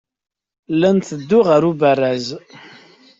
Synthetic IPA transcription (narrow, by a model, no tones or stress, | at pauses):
lːænθəd̪ːʊʁaɾubərːæz